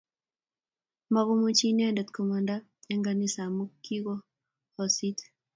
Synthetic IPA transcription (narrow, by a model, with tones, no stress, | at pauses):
ma˦ɣo˦mu˦t͡ʃi˦nɛ˦ndɛ˨t̪ko˨ma˨nda˦ | ɛ˦ŋɡa˨ni˦sa˨mu˦kːi˦ɡo˦ | ɔ˨si˦t